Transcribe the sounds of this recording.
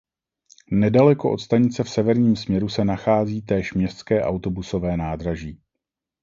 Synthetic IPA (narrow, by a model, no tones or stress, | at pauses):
nɛdalɛkoʔo̞̰t̪st̪aɲɪt͡sɛfsɛvɛɾɲiːmsmɲɛɾusɛnaxaːziːt̪ɛːʃmɲɛst̪skɛːʔawt̪o̞buso̞vɛːnaːd̪ɾaʒiː